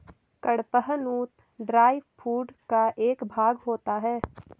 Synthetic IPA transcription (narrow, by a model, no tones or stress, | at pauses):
kəɽpəɦənuːt̪ | ɖɾaːɪʋfʰuːɖkaʔeːkbʱaːɡɦoːt̪aɦɛː